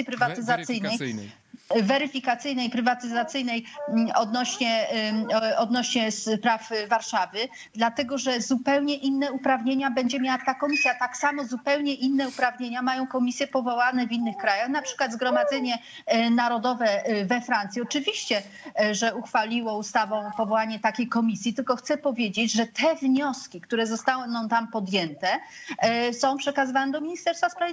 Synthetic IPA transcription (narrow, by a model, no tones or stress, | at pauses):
ipɾɘvat̪ɘzat̪sɘjnɛj | vɛɾɘfʲikat̪sɘjnɛjpɾɘvat̪ɘzat̪sɘjnɛjɔd̪nɔɕɲɛ | ɔd̪̚nɔɕɲɛspɾafvaɾʂavɘ | d̪lat̪ɛɡɔʐɛzupɛwɲɛʔinːɛupɾavɲeɲabɛɲd͡ʑɛmʲjawat̪akɔmʲisʲjat̪aksamɔzupɛwɲɛʔinːɛupɾavɲeɲamajɔ̃w̃kɔmʲisʲjɛpɔvɔwanɛvinːɘxkɾajaxnapʂɘ̥kwad̪zɡɾɔmad̪zɛɲɛ | naɾɔd̪ɔvɛvɛfɾant̪sʲjiɔt͡ʂɘvʲiɕt͡ɕɛ | ʐɛuxfalʲiwɔust̪avɔ̃w̃pɔvɔwaɲɛt̪akʲejkɔmʲisʲjit̪ɘlkɔxt̪sɛpɔvʲjed͡ʑed͡ʑʐɛt̪ʰɛvɲɔskʲikt̪uɾɛzɔst̪awnɔ̃t̪ampɔd̪jɛnt̪ɛ | sɔ̃w̃pʂɛkazɨvanɛd̪ɔmʲiɲist̪ɛɾsfaspɾav